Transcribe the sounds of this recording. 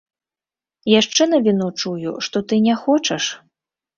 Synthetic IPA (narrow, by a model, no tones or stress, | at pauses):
jaʂt͡ʂɛn̪ɐvʲinut͡ʂujuʂt̪ɔt̪ɨnʲɛxɔt͡ʂɐʂ